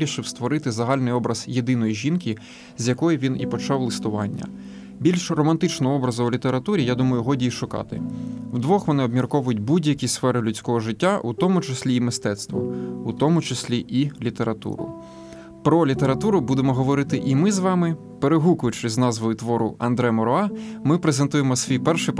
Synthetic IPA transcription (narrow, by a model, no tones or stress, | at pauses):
ɾʲiʃɪwst̪ʋɔɾɪt̪ɪzɐɦɑlʲnɪjɔbɾɐz̥jed̪ɪnɔjiʒʲinkʲi | zʲjɐkɔjʊʋʲinḭpɔt͡ʃɑwlˠɪst̪ʊʋɑ̰nʲːɐ̰ | bʲilʲʃrɔmɐnt̪ɪt͡ʃnɔɦɔɔbɾɐzɐulʲit̪e̞ɾɐt̪uɾʲijad̪umɐjʊɦɔdʲiiʃʊkɑ̰t̪ɪ̰wd̪ʋɔxʋɔnɪɔbmʲirkɔʋʊjʊt̚ʲbudʲjɐkʲisfɛɾɪlʲʉt͡sʲkɔɦɔʒɪtʲːaʔut̪ɔmʊt͡ʃesʲlʲiːmɪst̪ɛt̪st̪ʋɔ̰ut̪ɔmʊt͡ʃesʲlʲiʔilʲit̪e̞ɾɐt̪ṵɾʊ̰ | pɾɔlʲit̪e̞ɾɐt̪uɾʊbud̪emɔɦɔʋɔɾɪt̪ɪʔimɪzʋɑmɪ | peɾeɦukʊjʊt͡ʃeɪznɑzʋʊjʊt̪ʋɔɾʊɐ̰nd̪ɾɛmɔɾɔɑmɪpɾezent̪ujemɔsʲʋʲijpɛrʃɪ